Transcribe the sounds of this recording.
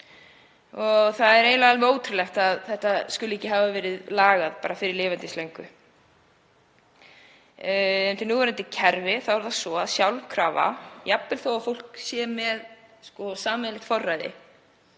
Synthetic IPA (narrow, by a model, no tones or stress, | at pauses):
ɔɣθaðɛɾejlavalvɪoːwt̪ʰɾɪlɛxt̪aðθɛht̪askʏlʏɛcːɪɦaːvavɛːɾɪðlaːɣaðpa̰ːɾafɪɾɪɾlɪːvɛnt̪ɪslejŋkʏ | ɛmt̪ɪnuːvɛɾɪnt̪ɪcʰɛɾvɪθawɛɾθasɔaðsjawlkʰɾaːva̰japːɪlθoːwafowl̥ksjɛːmɛðskɔsaːmɛlɪht̪fɔrːajðɪ̰